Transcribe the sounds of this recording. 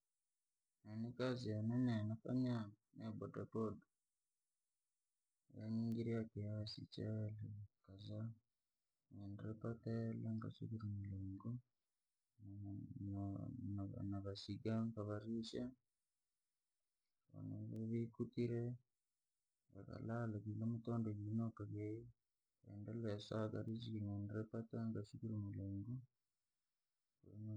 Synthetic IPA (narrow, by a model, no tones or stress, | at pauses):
nenikazianenenakaɲa | nebodaboda | jaɲiːŋɡiɾiakijasḭt͡ʃalikaza | endɾepatelaŋka̰sṵβiɾimiloːŋɡo | na̰naβasiɡaŋkaβaɾiʃa | βo̰na̰ββikutiɾe | βa̰ka̰lalaβilemutoːndoɡinokaɡei | ḛndeleasaka̰ɾizikiŋeːndɾepataŋɡasukiɾumuleŋɡu | n